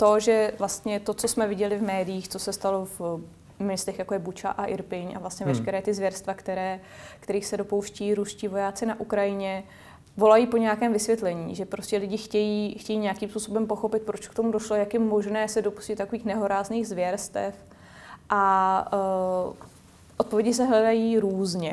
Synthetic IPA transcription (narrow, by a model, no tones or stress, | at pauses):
t̪o̞ʒɛvlast̪ɲɛt̪o̞t͡so̞smɛvɪɟɛlɪvmɛːdɪjiːxt͡so̞sɛst̪alo̞v | mɛst̪ɛxjakojɛbut͡ʃa̰ʔaʔɪɾpɪɲʔa̰vlast̪ɲɛvɛʃkɛɾɛːt̪ɪzvjɛɾst̪vakt̪ɛɾɛː | kt̪ɛɾiːxsɛdo̞powʃcɛiːɾusciːvo̞jaːt͡sɪnaʔukɾajɪɲɛ | vo̞lajiːpo̞ɲɛjakɛːmvɪsvjɛt̪lɛɲḭːʒɛpɾo̞scʲɛlɪɟɪxcɛjiːxcɛjiːɲɛakimspuːso̞bɛmpoxo̞pɪt̪̚pɾot͡ʃkt̪o̞mudoʃlojakjɛmo̞ʒnɛːsɛdo̞pu̥scɪt̪t̪ːakoviːxnɛɦo̞ɾaːzniːɣzvjɛɾst̪ɛf | ʔa | ʔot̪povjɛɟɪsɛɦlɛdajiːɾuːzɲɛ